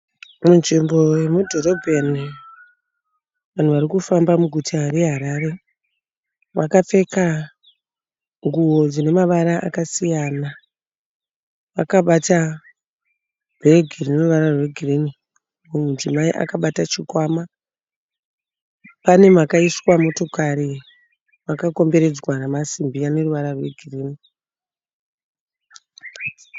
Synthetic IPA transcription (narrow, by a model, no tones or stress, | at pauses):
munʐimbo̞jemudʱo̞ro̞bʱeni | ʋan̤uʋarikufambamuɡʱutʰaɾe̞ɦaɾaɾe̞ | ʋakap͡fe̞ka | ŋɡuwo̞d͡zine̞maʋaɾaʔa̰kasijana | ʋakaɓata | bʱeɡʱirineruʋaɾarwe̞ɡʱirini | mumud͡zimaiʔa̰kaɓatat͡ʃikwama | pane̞makaiswamo̞to̞kaɾi | makako̞mbe̞ɾe̞d͡zwanamasimbiane̞ruʋaɾarwe̞ɡʱiriːni